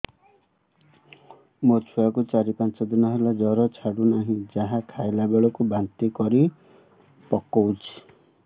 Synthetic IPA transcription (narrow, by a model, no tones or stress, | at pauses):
mot͡ʃʰuakut͡ʃaɾipant͡ʃɔd̪inɔɦelad͡ʒɔɾɔt͡ʃʰaɽunaɦĩd͡ʒaɦakʰajlabeɭɔkubant̪ikɔɾi | pɔkɔwt͡ʃʰi̥